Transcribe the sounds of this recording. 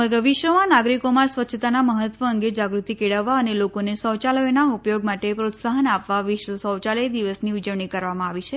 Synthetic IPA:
məɾɡəʋiʃʋəmãnaɡɾikomãsʋətːʃʰt̪anaməɦət̪ʋəəŋɡed͡ʒaɡɾut̪ikeɽəʋːaənelokonesə̃wt͡ʃaləjnaupjoɡ̚maʈepɾot̪saɦənapʋaʋɪʃʋəsə̃wt͡ʃaləjd̪iʋəsniud͡ʒəʋɳikəɾʋamãaʋit͡ʃʰe

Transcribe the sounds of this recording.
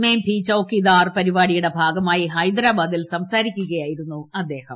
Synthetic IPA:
meːmpʰit͡ɕɐwkːid̪aːrpɐɾibaːɽijuɽe̞bʱaːɡɐmaːjiɦɐjd̪ɾaːbaːd̪ilsɐmsaːɾikʲːuɣɐjaːjiɾunːuɐd̪ːe̞ːhɐm

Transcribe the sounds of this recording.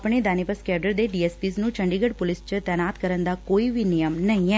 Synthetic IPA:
pɳ̃id̪anipəskɛɖəɾd̪eɖiespisnũt͡ʃəɳɖiɡəɽpulist͡ʃʰet̪ɛnat̪kəɾənd̪akoiʋinijəmnəɦĩɛ

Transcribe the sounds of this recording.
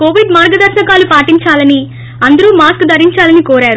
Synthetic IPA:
koːʋiɖmaːɾɡɐd̪ɐɾsɐkaːlupaːʈiɲt͡ʃaːlɐni | ɐnd̪ɐɾuːmaːskd̪ɐɾiɲt͡ʃaːlɐnikoːɾaːɾu

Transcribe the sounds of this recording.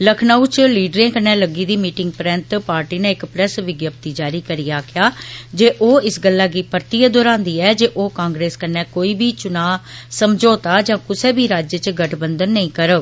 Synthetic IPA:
ləkʰnaːut͡ʃliːɖɾẽːkənɛ̃ːləɡiːd̪iːmiːʈɪŋɡ̚pɾɛ̃ːnt̪paːɾʈiːnẽːɪkpɾɛsʋɪɡjəp̚t̪iːd͡ʒaːɾiːkəɾiːaːkʰɪjaːd͡ʒeːʔoːɪsɡəlːaːɡiːpəɾt̪iːəd̪oːɾãːnd̪iːɛːd͡ʒeːʔoːkãːŋɡɾeːskənːɛːkoːiːbʱiːt͡ʃʊnaːsəmd͡ʒoːt̪aːd͡ʒãːkʊseːbiːɾaːd͡ʒət͡ʃɡəʈʰbənd̪ənːəĩːkəɾə

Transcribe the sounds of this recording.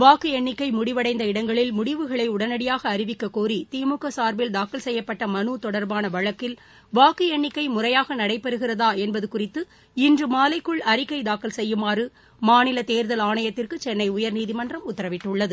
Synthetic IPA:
ʋaːkɯɛɳːɪkːɐɪmʊɽɪʋɐɽɐɪnd̪ɐɪɽɐŋɡɐɭɪlmʊɽɪʋɯɣɐɭɐɪʊɽɐnɐɽɪjaːɣɐːɾɪʋɪkːɐkoːrit̪iːmʊkːɐsaːɾbɪld̪aːkɐlsɛjːɐpːɐʈːɐmɐnuːt̪ɔɽɐɾbaːnɐʋɐɻɐkːɪl | ʋaːkɯɛɳːɪkːɐɪmʊrɐjaːɣɐnɐɽɐɪpːɛɾɯɣɪrɐðaːɛnbɐðɯkʊrɪt̪ːɯ | ɪndrɯmaːlɐɪkːɯɭɐɾɪkːɐɪd̪aːkːɐlsɛjːɯmaːrɯ | maːnɪlɐt̪eːɾðɐlaːnɐjɐt̪ːɪrkɯt͡ʃɛnːɐɪʊjɐɾniːðimɐndrɐmʊt̪ːɐɾɐʋɪʈːɯɭːɐðɯ

